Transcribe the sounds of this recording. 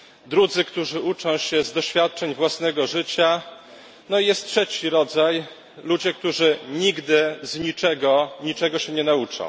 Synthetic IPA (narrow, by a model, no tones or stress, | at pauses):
d̪ɾud̪zɘkt̪uʐɘʔut͡ʂɔ̃w̃ɕɛzd̪ɔɕfʲjat̪̚t͡ʂɛɲvwasnɛɡɔʐɘt͡ɕa | nɔijɛst̪̚tʂɛt͡ɕiɾɔd̪zaj | lud͡ʑɛk̚t̪uʐɘɲiɡd̪ɘzɲit͡ʂɛɡɔɲit͡ʂɛɡɔɕɛɲɛnaut͡ʂɔ̰̃w̃